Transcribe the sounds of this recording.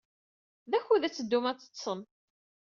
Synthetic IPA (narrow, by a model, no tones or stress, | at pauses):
ðæçuðæt͡sːəd̪ːumæt͡sːə̥sːən